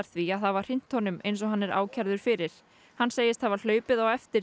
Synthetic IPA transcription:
ɾθviaθavaɾ̥ɪn̥t̪hɔnʏmḛjnsɔɦanːɛɾa̰ːwcʰɛɾðʏɾ̥fɪɾɪɾ̥ | hanːseːjɪst̪havaɾl̥œːɥpɪðawɛft̪ɪ

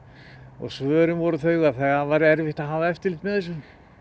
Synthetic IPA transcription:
ɔ̰ɣsvœːɾʏmvɔɾʏθœɥɣaθɛɣavaːjɾɪɛɾvɪht̪aðɦaːvaɛft̪ɪɾlɪht̪mɛðθɛs̬ːʏm

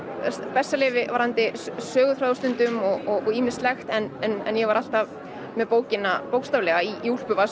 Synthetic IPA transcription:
spɛsːalɪːvɪvaɾant̪ɪsœːɣʏθɾaːðʏst̪ʏnt̪ʏmɔɣɔɣɔɣiːmɪnstlɛxt̪ɛnɛnɛ̰njɛvaɾal̥t̪av | mɛðpoːwcɪnapowkst̪aːvlɛːɣaiːul̥pʏva

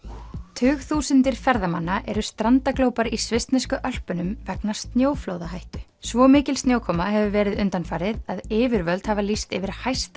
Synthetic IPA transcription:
t̪ʰʏːɣθuːsʏnt̪ɪɾ̥fɛɾðama̰nːaʔɛɾʏst̪ɾant̪akloːwpaɾisvɪst̪nɛskʏʔœl̥pʏnʏmvɛknast̪njoːwflowðaɦajht̪ʏ̥ | svɔmɪːcɪlst̪njoːwkʰɔːmaɦɛvʏvɛːɾɪðʏnt̪anfaːɾɪðaðɪːvɪɾvœlt̪havalist̪ɪvɪɾ̥hajst̪a

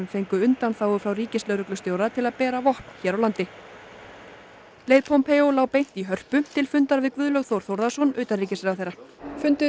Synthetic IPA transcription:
nfejŋkʏʏnt̪anθaːwʏfɾawriːcɪslœɥɾʏklʏst̪joːwɾat̪ʰɪlaðpɛːɾavɔhpn̥çɛːɾawlant̪ɪ | leːjðpʰɔmpʰeowlaːwpejn̥t̪iɦœr̥pʏt̪ʰɪlfʏnt̪aɾvɪðkvʏːðlœɣθowɾ̥θowɾðasɔnʏːt̪anriːcɪsɛɣaθejɾːafʏnt̪ʏ

